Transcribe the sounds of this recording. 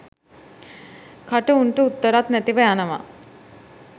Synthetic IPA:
kʰaʈəuɳʈəut̪ːəɾat̪næt̪iʋəjanəʋa̰

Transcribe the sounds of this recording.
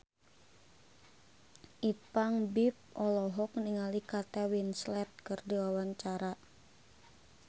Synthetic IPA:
ʔipaŋbip̚ɔlɔɦɔk̚niŋalikat̪ɛwinslɛt̪̚kɨrdiwawaɲt͡ʃaɾa

